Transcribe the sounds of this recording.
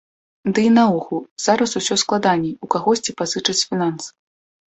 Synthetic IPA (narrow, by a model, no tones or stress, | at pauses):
d̪ɨinaɔxuz̥aɾɐsusʲɔsklˠad̪anʲɛukaɣɔsʲt͡sʲipazɨt͡ʂɐt͡sʲfʲinansɨ̥